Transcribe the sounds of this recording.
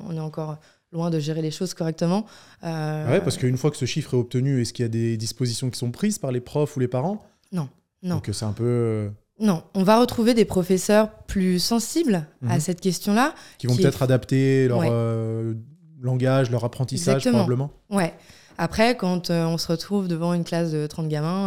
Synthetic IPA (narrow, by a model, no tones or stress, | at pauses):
ɔ̰̃nɛɑ̃kɔʁ | lwɛ̃d̪əʒeʁeleʃozkɔʁɛk̚t̪əmɑ̃ | øwɛpaʁsə̥kəynfwakə̥səʃifχɛɔp̚t̪ənyɛskiljad̪ed̪ispozisjɔ̃kʲi̥sɔ̃pχizpaʁlepχɔfulepaʁɑ̃ | nɔ̃ | nɔ̃ksɛɛ̃pøø | nɔ̃ɔ̃vaʁət̪χuved̪epχɔfɛsœʁplysɑ̃siblasɛt̪kʲɛst̪jɔ̃lakʲivɔ̃pət̪ɛt̪χad̪apt̪elœʁʁø | lɑ̃ɡaʒlœʁapχɑ̃t̪issaaʒt̪əʁɔmbɑ̃bləmɑ̃ | wɛ | apχɛkɑ̃t̪øɔ̃səʁət̪χuvd̪əvɑ̃ynklasd̪ət̪χɑ̃t̪ɡamɛ̃